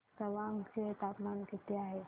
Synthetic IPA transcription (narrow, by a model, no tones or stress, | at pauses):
səʋãŋket̪apmankit̪eaɦe